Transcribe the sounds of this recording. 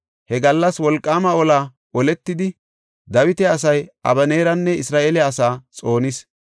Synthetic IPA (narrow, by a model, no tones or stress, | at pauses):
hɛɡɐlːɐswɔlkʼːaːmɐɔlaː | ɔlɛt̪ːɪd̪ɪ | d̪ɐwɪt̪ɛɐs̬ɐjʔɐ̰bɐneːɾɐnːɛɪsɾaːʔeːlɛɐsaːt͡sʼo̞ːnɪs